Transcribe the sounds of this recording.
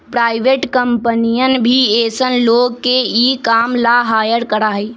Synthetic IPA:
pɾaːɪʋeːʈkəmpənijənbʱieːsənloːɡkːeiːkaːmlaɦaːjəɽkəɾaːɦeː

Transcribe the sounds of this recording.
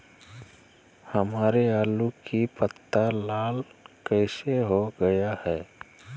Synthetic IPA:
hɐmaːɾeaːlukipət̪ːalaːlkɛːseɦoɡɐjahɛː

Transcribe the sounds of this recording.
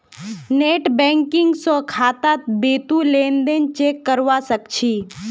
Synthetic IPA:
neːʈbɛ̃ːŋkɪ̃ŋɡsokʰaːt̪aːt̪̚beːt̪ulẽːnd̪ẽnt͡ʃeːkːəɾʋasəkt͡ʃʰiː

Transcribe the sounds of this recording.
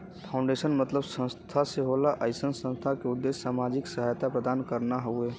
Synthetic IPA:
pʰãʊ̃ɳɖeːʃənmət̪ləbsə̃nst̪ʰaseɦolaʔaːɪsənsə̃nst̪ʰakeʊd̪ːeːssaːmaːd͡ʒɪksɐɦaːjt̪apɾəd̪aːnkəɾnaɦoueː

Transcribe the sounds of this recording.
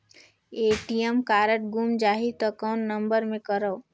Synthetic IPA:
eːʈijəmkaːɾəʈ̚ɡumd͡ʒaːɦit̪ɔkɔːnːəmbəɾmẽkəɾə

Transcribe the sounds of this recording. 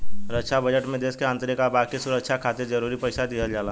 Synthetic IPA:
ɾəkʃʰabəd͡ʒəʈmẽd̪eːskeə̃nt̪ɾekabaːkisʊɾəkʃʰakʰaːt̪ed͡ʒəɾuːɾipəɪsad̪iɦəld͡ʒaːla

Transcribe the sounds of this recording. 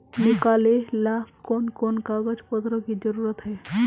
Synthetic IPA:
nikalelakkɔnkɔnkaɡəd͡ʒpɔt̪ɾɔkid͡ʒəɾuɾət̪ɦɛ

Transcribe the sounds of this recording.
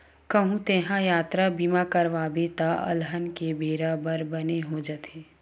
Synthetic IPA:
kɐɦũt̪eːɦãjaːt̪ɾabiːmakɐɾʋaːbet̪aɐ̰lɦənkebʱeːɾabəɾbɐneɦod͡ʒət̪ʰeː

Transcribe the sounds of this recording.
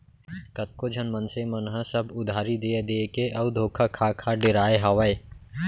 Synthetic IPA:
kɐt̪̚kod͡ʒʱɐnmənsemənɦə̃səbʊd̪ʱaːɾid̪ied̪eːkeʔɐʋd̪ʱoːkʰakʰaːkʰaɖɪɾaːeɦɐʋəe

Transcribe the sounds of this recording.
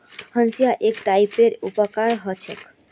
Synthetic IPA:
hənsijaʔekʈaipeɾupəkaɾɦət͡ʃʰɛ̰k

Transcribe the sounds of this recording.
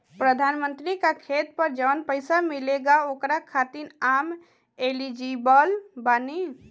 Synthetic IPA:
pɾəd̪ʱanmənt̪ɾikakʰet̪̚pəɾd͡ʒənpəɪsamileɡaokɾakʰat̪inam | elid͡ʒibəlbani

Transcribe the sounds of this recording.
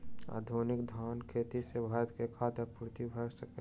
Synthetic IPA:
a̰ːd̪ʱonɪkd̪ʱaːnkʰeːt̪isebʱaːɾt̪kekʰat̪eɾpuɾt̪ibʱəɾsəke

